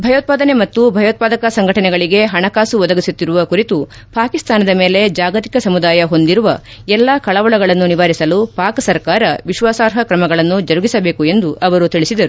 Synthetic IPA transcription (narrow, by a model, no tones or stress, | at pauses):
bʱɐjoːt̪̚paːd̪ɐne̞mɐt̪ːubʱɐjoːt̪̚paːd̪ɐkɐsɐŋɡʱɐʈɐnɛɡɐɭiɡe̞ɦɐɳɐkaːsuʋɔd̪ɐɡisut̪ːiɾuʋɐkuɾit̪u | paːkist̪aːnɐd̪ɐme̞ːle̞d͡ʒaːɡɐt̪i̥kɐsɐmud̪aːjɐɦo̞nd̪iɾuʋɐ | ɛlːakɐɭɐʋɐɭɐɡɐɭɐnːuniʋaːɾisɐlupaːksɐɾkaːɾɐʋiʃʋaːsaːɾɦɐkɾɐmɐɡɐɭɐnːud͡ʒɐɾuɡisɐbe̞ːkue̞nd̪uʔɐʋɐɾut̪iɭisid̪ɐɾu